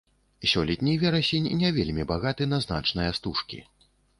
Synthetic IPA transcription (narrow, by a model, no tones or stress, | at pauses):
sʲɔlʲɛt̪ʲnʲijvʲɛɾɐsʲenʲnʲɛvʲelʲmʲibaɣat̪ɨnɐzna̰t͡ʂnɨjɐst̪uʂkʲḭ